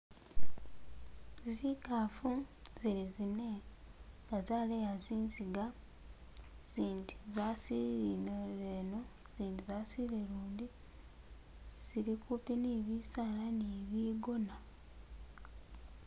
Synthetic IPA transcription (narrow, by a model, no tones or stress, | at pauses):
zikafuziɾizine̞ | ŋɡazaːlejaziːnziɡa | z̥iːnti̥zasiɾinoβeno̞ | z̥iːntizaːsileluːndi | z̥iɾikupiniβisaːlaniβiːɡo̞na